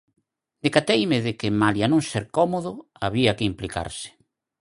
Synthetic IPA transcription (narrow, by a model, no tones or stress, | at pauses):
d̪ekat̪ejmɪðɪkɪmaljanõŋseɾkɔmoðʊaβiakɪimplika̰ɾsɪ̥